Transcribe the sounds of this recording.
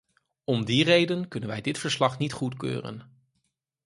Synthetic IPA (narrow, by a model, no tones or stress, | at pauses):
ɔmdirejdənkɵnənʋɛjdɪtfəɹslɑχnitχutkø̰ːrə̰n